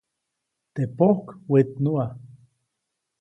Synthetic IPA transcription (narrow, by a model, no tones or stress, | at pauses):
t̪epohkwet̪̚nua